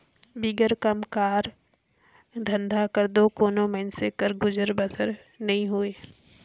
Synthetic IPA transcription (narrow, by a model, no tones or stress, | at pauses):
biːɡəɾkəmkaːɾ | d̪ʱə̃nd̪ʱakəɾd̪okoːnoməɪnsekəɾɡʊd͡ʒəɾbəsəɾ | nɐɦĩɦueː